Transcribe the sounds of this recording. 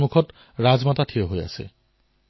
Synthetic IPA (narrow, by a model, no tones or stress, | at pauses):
mukʰɔt | ɹad͡zmatatʰioɦoja̰sḛ